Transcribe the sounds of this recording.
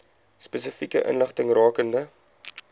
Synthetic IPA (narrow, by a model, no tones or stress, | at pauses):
spɛsəfikəʔə̰nləχtəŋrɑːkəndə